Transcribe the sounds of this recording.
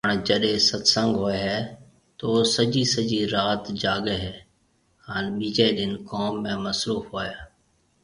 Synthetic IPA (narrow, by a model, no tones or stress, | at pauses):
ɦəɳ̃d͡ʒəɗɦẽsət̪sə̃ŋɡɦoːeɦɛː | t̪oːsəd͡ʒiːsəd͡ʒiɾaːt̪d͡ʒaːɠəɦɛː | ɦaːnɓiːd͡ʒəiɗɪnkoːmːẽməsɾuːfɦoːjaː